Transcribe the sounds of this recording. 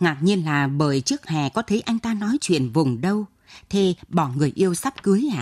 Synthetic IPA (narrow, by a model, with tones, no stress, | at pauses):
ŋa˨˩ɲi˧ənlaː˨˩ɓəː˧˨˩jt͡ɕɨ˦˥ək̚hɛ˨˩kɔ˨˦t̪ʰə˨˦jʔa˧jŋ̟t̪aː˧nɔ˨˦jt͡ɕwḭ˧˨ənvʊ˨˩ŋ͡mɗə˧w | t̪ʰe˧˩ɓɔ˧˩ŋɨ˨˩əjʔi˧əwsa˦˥p̚kɨ˨˦əjʔa̰ː˧˨